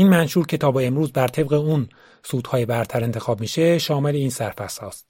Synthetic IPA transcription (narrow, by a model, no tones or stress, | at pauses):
iːnmænʃuːɾcʰe̞t̪ʰɒːbeemɾuːzbæɾt̪ʰe̞bɣeun | suːd̪̥hɒːjebæɾt̪ʰæɾe̞nt̪ʰe̞xɒːb̚miːʃe̞ʃɒːme̞le̞iːnsæɾfæshɒːst̪